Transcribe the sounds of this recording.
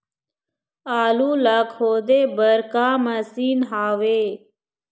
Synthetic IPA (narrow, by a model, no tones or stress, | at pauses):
aːluːlakhoːd̪eːbəɾkaːməsiːnɦaːʋeː